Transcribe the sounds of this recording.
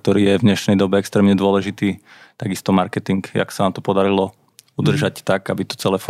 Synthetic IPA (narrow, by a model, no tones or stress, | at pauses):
k̚t̪ɔɾiːjɛvɲɛʃnɛjd̪ɔbɛɛkst̪ɾɛːmɲɛd̪ʊɔlɛʒit̪iːt̪aɡist̪ɔmaɾkɛt̪iŋka̰ksanaːmt̪ɔpɔd̪aɾilɔ | ud̪r̩ʒact̪aɡabit̪ɔ̥t͡sɛlɛf